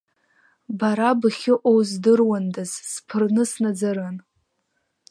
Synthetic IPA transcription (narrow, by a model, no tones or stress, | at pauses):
baɾabɨχʲɪʔowzdɨrwandazspʰɨrnɨsnad͡zaɾan